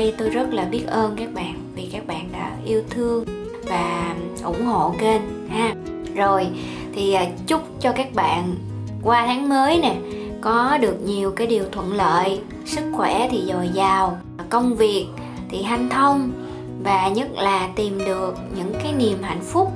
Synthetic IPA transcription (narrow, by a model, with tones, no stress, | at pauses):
jt̪o˧jzə˦˥t̚laː˨˩ɓi˦˥ət̚ʔəː˧nkaː˦˥k̚ɓa̰ː˧˨nvi˨˩kaː˦˥k̚ɓa̰ː˧˨nɗa̰ː˧˥ʔi˧əwt̪ʰɨ˧əŋ | vaː˨˩ʔʊ̰˧˩ŋ͡mho̰˧˨ke˧n | haː˧ | zo˨˩j | t̪ʰi˨˩˨t͡ɕʊ˦˥k͡p̚t͡ɕɔ˧kaː˦˥k̚ɓa̰ː˧˨n | kwaː˧t̪ʰaː˨˦ŋməː˨˦jnɛ˨˩ | kɔ˨˦ɗɨ˨˩ək̚ɲi˨˩əwkaː˨˦jɗi˨˩əwt̪ʰwə̰˧˨nlə̰ː˧˨j | sɨ˦˥k̚xwɛ˧˩t̪ʰi˨˩zɔ˨˩jzaː˨˩w | kə˧wŋ͡mvi˨˩ək̚ | t̪ʰi˨˩ɦa˧jŋ̟t̪ʰə˧wŋ͡m | vaː˨˩ɲə˦˥t̚laː˨˩t̪i˨˩mɗɨ˨˩ək̚ɲɨ̰˧˥ŋkaː˨˦jni˨˩əmɦa̰˧˨jŋ̟fʊ˦˥k͡p̚